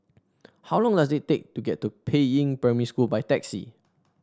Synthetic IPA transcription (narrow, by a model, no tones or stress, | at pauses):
hawlɔ̃ŋdasɪttːek̚tuɡɛtːupʰeĩŋpɹɛmiskulbajtɛksḭ